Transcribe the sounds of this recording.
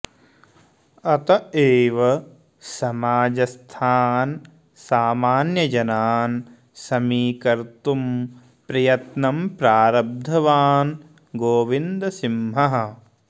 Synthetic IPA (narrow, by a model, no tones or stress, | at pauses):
ɐt̪ɐeːʋɐ | sɐmaːd͡ʒɐst̪ʰaːn | saːmaːnjɐd͡ʒɐnaːn | sɐmiːkɐɾt̪um | pɾɐjɐt̪nɐmpɾaːɾɐb̚d̪ʱɐʋaːn | ɡoːʋind̪ɐsimɦɐɦɐ̆